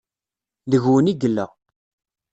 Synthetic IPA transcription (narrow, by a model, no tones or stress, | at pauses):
ðəʝwəniɡlːæ̰